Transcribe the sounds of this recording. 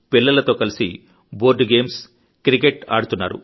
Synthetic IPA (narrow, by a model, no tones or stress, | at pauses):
pilːɐlɐt̪oːkɐlisi | boːɾɖɡe̞ːms | kɾikeʈa̰ːɽut̪unːaːɾṵ